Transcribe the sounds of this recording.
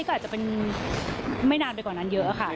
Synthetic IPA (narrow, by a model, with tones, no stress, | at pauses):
kɔː˥˨aː˨˩t͡ɕa˨˩pe˧n | ma˥˩jnaː˧npa˧jkɔː˨˩nːaː˦˧˥njɤ˦˥ʔa˨˩xʰa˥˩